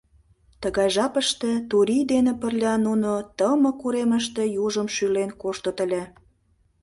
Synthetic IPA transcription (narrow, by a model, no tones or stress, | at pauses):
t̪əɣɑjʒɑpəʃt̪et̪uɾʲid̪enepərlʲɑnunot̪əmɤ̆kuɾeməʃt̪ĕjuʒəmʃylenkoʃt̪ŏt̪ə̆lʲæ